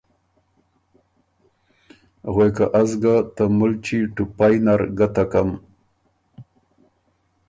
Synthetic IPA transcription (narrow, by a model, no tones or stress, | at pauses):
ɣwekaʔazɡat̪amult͡ʃiʈupajnaɾɡat̪akam